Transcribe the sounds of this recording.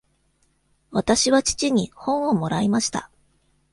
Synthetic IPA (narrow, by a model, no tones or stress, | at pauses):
βat̪aɕiβat͡ɕi̥t͡ɕiɲ̟ihõ̞ɰ̃o̞mo̞ɾaimaɕi̥t̪a̰